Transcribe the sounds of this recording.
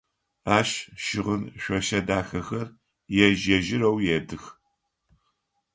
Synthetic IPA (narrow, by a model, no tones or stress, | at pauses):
aːʃʃɪʁənɕʷɔʃɐdaːxɐxɐr | jɛʒɐʒɪɾɐwjɛdɨx